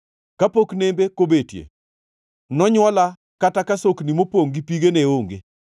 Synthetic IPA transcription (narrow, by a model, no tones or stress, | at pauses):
kapoknembekobetjḛ | nɔɲwɔla | katakasoknimopoŋɡipiɡeneoŋɡḛ